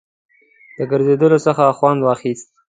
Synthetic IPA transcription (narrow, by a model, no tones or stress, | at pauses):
d̪̥əɡəɾzed̪əlosəxaxwand̪wɑxist̪̚